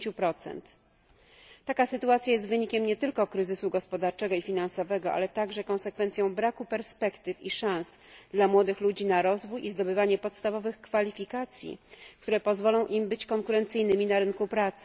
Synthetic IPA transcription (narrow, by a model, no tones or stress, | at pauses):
t͡ɕupɾɔt̪sɛ̰nt̪ | akasɘt̪uat̪sʲjajɛst̪vɘɲikʲɛmɲɛt̪ɘlkɔkɾɘzɘsuɡɔspɔd̪aɾt͡ʂɛɡɔifʲinansɔvɛɡɔʔa̰lɛt̪aɡʐɛkɔ̃w̃sɛkfɛnt̪sʲjɔ̃w̃bɾakupɛɾspɛkt̪ɘfiʂãsd̪lamwɔd̪ɘxlud͡ʑinaɾɔzvujʔizd̪ɔbɘvaɲɛpɔt̪st̪avɔvɘxkfalʲifʲikat̪sʲjḭk̚t̪uɾɛpɔzvɔlɔ̃w̃ʔimbɘt͡ɕkɔŋkuɾɛnt̪sɘjnɘmʲinaɾɘŋkupɾat̪sɘ̥